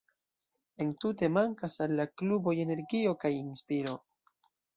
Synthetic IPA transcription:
e̞ntute̞maŋkasalːaklubo̞je̞ne̞ɾɡio̞kajinspiɾo̞

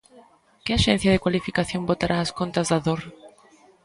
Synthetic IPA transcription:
keaʃẽn̟θjaðekwalifikaθjo̞mbot̪aɾʔaːskont̪azðaðoɾ

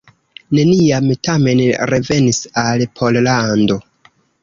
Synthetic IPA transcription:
ne̞niamtame̞nɾe̞ve̞nisalpʰo̞llando̞

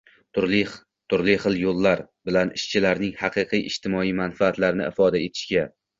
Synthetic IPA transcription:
t̪ʰʊɾl | t̪ʰʊɾlɪχɨlˠjolˠːaɾbɪlanɪʃt͡ʃʰɪlaɾnɪŋhɑqʰɨqʰijʔɪʃt̪ʰɪmɒijmanfaːt̪laɾnɪ̰ɪfɒd̪ae̞t̪ʰɪ̥ʃkʲa

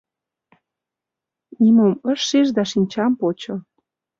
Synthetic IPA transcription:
nimomə̆ʃːeʒd̪ɑʃinʲt͡ɕɑmpot͡ɕŏ

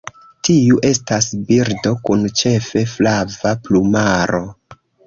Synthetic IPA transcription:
tiuʔe̞stasbiɾdo̞kunt͡ʃe̞fe̞flavaplumaɾo

